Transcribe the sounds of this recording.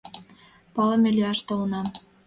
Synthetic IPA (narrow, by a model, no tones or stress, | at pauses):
pɑlɤ̆melʲyɑʃt̪olɤnɑm